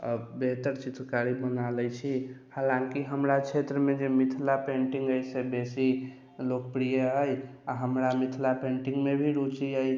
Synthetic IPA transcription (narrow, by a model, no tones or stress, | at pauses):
ə̰beɦt̪əɾt͡ʃit̪ɾkaɾibənaləjt͡ʃʰi | halãŋkiɦəmɾat͡ʃʰet̪ɾəmed͡ʒemit̪ʰlapẽɳʈiŋɡəjsebesi | lokpɾijeɦəjaɦəmɾamit̪ʰlapẽɳʈiŋɡmebʱiɾut͡ʃiəj